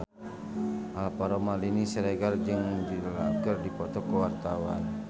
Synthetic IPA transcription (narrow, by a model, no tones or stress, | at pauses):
alpaɾomalinisəɾɛɡard͡ʒəŋdila̰ɡərdipɔt̪ɔkːəwart̪awa̰n